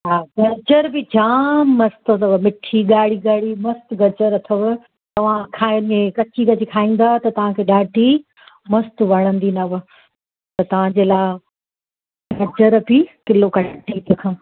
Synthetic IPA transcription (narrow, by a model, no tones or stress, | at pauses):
ɦaːɡɐd͡ʑəɾbɪd͡ʑaːmːɐst̪ət̪ɐʋɐmɪʈʰiɡaːɽiɡaːɽimɐst̪ɡɐd͡ʑəɾɐt̪ʰəʋ | t̪ɐʋ̤ãkʰaːmẽkɐt͡ɕikɐt͡ɕikʰaːĩːn̆d̪aːt̪ɐt̪ɐʋ̤ãkʰeːɗaːʈi | mɐst̪ʋɐɽ̃ə̃nd̪inɐʋʊ | t̪ɐt̪ɐʋ̤ãd͡ʑeːlaː | ɡɐd͡ʑəɾbikɪlokɐʈit̪ɐkʰãː